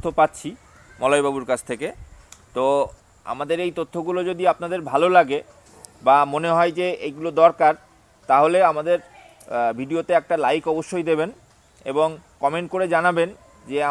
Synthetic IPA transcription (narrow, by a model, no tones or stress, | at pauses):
t̪ʰːopatːɕʰi | mɔlajbʱabuɾkat͡ɕʰt̪ʰeket̪o | a̰mad̪eɾejt̪ot̪ʰːoɡulod͡ʑod̪iapnad̪eɾbʱalolaɡe | bamoneɦɔed͡ʑeejɡulod̪ɔɾkaɾ | t̪aɦoleamad̪eɾ | bʱiɖiot̪eɛk̚ʈalajkɔboʃːojd̪eben | ḛboŋkɔmeɳʈ̚koɾed͡ʑanaben | d͡ʑea